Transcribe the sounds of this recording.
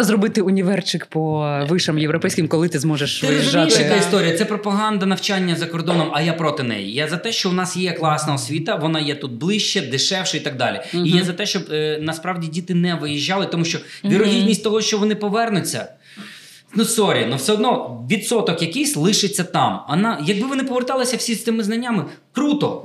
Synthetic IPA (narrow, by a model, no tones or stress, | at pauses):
zrɔbɪt̪ɪʊnʲiʋɛrt͡ʃɪkpɔʋɪʃemjeʋɾɔpɛjsʲkʲɪmkɔlˠɪt̪ɪzmɔʒeʃʋ̪ɛɪiʒːaɐkaist̪ɔɾʲijɐt̪sɛpɾɔpɐɦɑnd̪ɐnɐwt͡ʃanʲːɐzɐkɔrd̪ɔnɔmɐjapɾɔt̪ɪnɛ̰jḭjazɐt̪ɛʃt͡ʃɔʊnɑsjɛklˠɑsnɐɔsʲʋʲit̪ɐʋɔnɑjɛt̪ut̪̚blˠɪʃt͡ʃːɛd̪ɪʃɛwʃɐit̪ɑɡ̚d̪ɑ̰lʲḭijjazɐt̪ɛʃt͡ʃɔbnɐspɾɑwdʲidʲit̪ɪnɛʋɪjiʒʲːɑlˠɪt̪ɔmuʃt͡ʃɔʋʲiɾɔɦʲid̪ʲnʲisʲtʲt̪ɔɦɔʃt͡ʃɔʋɔnɪpɔʋɛrnʊt͡sʲːɐ̰ | nʊsɔɾʲḭɐnuwsɛɔd̪nɔʋʲid̪sɔt̪ɔkjɐkɪjsʲlˠɪʃɪt͡sʲːɐt̪ɑmɐnɑjɐɡ̚bɪʋɔnɪpɔʋert̪ɑlˠɪsʲɐwsʲist̪ɪmɪznɐnʲːamɪ | kɾut̪ɔ